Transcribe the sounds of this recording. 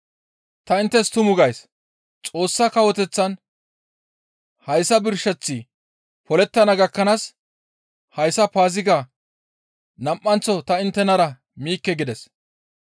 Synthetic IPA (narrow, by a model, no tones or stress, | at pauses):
t̪ɐɪnt̪ːɛst̪ʊmʊɡɐjs | t͡sʼo̞ːsːɐkɐwɔt̪ɛt͡sːɐn | hɐjsɐbɪɾʃɛt͡sːɪ | pɔlɛt̪ːɐnɐɡɐkːɐnaːs | hɐjsɐpaːzɪɡa | nɐmʔːɐnt͡sːɔt̪ɐɪnt̪ːɛnɐɾɐ | miːkːɛɡɪd̪ɛs